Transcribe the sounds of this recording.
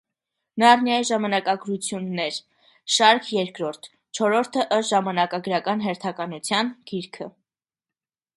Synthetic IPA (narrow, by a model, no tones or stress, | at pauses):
nɑɾnjɑjiʒɑmɑnɑkɑɡɾut͡sʰjunːɛɾ | ʃɑɾkʰjɛɾkɾɔɾt̪ʰ | t͡ʃʰɔɾɔɾt̪ʰəʔəʒɑmɑnɑkɑɡəɾɑkɑnɦɛɾt̪ʰɑkɑnut͡sʰjɑnɡ̥iɾkʰə